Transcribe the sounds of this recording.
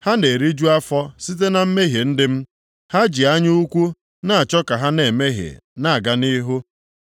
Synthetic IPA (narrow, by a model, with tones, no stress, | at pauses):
ha˦ne˨ɾi˦d͡ʒu˦a˦fɔ˦si˦t̬e˦na˨m̩˦me˦ɦe˨n̩˦dɪ˦m̩˦ | ha˦d͡ʒi˨a˦ɲ˦u˦kʷu˦ | na˦˨a˨t͡ʃɔ˦ka˨ɦa˦ne˨me˦ɦḛ˨na˦˨a˨ɡa˨ni˦ɦu˦